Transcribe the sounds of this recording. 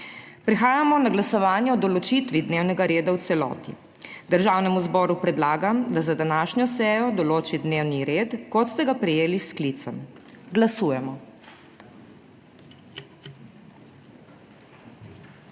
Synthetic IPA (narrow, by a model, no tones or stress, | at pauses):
pɾɛxaːjamɔnaɡlasɔʋaːnjɛɔd̪ɔlɔt͡ʃit̪ʋid̪neːwnɛɡaɾeːd̪awt̪sɛlɔ̰ːt̪ḭ | d̪əɾʒaːwnɛmuzbɔːɾupɾɛd̪laːɡamd̪azad̪anaːʃnjɔsɛːjɔd̪ɔloːt͡ʃid̪neːwniɾeːt̪kɔt̪st̪ɛɡapɾɛjeːlisklit̪səm | ɡlasuːjɛmɔ